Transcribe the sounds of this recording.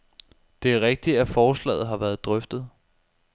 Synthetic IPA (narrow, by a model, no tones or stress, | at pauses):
d̥e̝æɐʁeɡ̥̚d̥iæfɒːslɛ̰ːð̩ˠɦɑ̈ʋæːɐð̞ˠd̥ʁœfd̥ð̞̩ˠ